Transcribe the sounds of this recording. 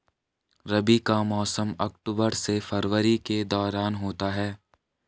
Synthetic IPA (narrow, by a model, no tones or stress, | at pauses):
ɾɐbikamɔːsəmɐkʈuːbəɾsefʰɐɾʋəɾiked̪ɔːɾaːnɦoːt̪aɦɛː